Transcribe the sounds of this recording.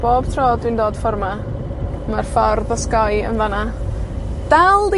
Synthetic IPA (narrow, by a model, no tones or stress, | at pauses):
b̥oːb̥tʰroːdwindoːd̥fɔrma | marfɔrðɔskajə̰nvana | d̥alˠdi